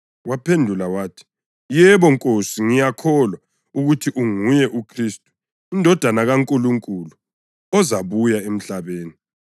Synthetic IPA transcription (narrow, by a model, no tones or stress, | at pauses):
wapʰendʱulawaːtʰi̥ | jɛβɔŋkʼosiŋijakʰɔlwa | uɣutʰiʔuŋujɛʔukʰristʼu̥ | indʱɔd̥ʱanaɣaŋkʼuluŋkʼulu | ɔzaβujaem̩ɬaβeːni